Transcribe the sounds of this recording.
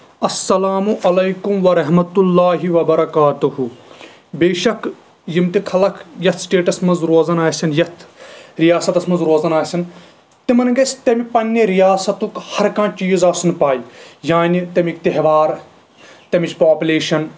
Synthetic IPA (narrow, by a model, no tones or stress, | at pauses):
ɐsːɐlaːmuʔɐlɐjkumʋɐɾɐɦmɐt̪ulːaːɦiʋɐbɐɾɐkaːt̪uhu | beːʃɐk | jimt̪ikʰɐlɐkʰjɐt̪ʰsʈeːʈɐsmɐnzɾoːzɐnaːsʲɐnjɐt̪ʰɾijaːsɐt̪ɐsmɐnzɾoːzɐnaːsʲɐn | t̪imɐnɡɐsʲt̪ɐmipɐnʲːiɾijaːsɐt̪ukhɐɾkãːt͡ʃiːzaːsunpaːijaːnit̪ɐmikt̪eɦʋaːɾ | t̪ɐmit͡ʃʰpaːpʲuleːʃɐn